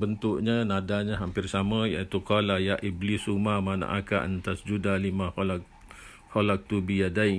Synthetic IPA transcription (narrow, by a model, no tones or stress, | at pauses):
bənt̪ʊʔɲanadaɲaɦampɪrsamãjait̪ukalajaʔiblisumamana̰ʔakaʔant̪asd͡ʒudalimãholak̚ | holak̚t̪ubijadai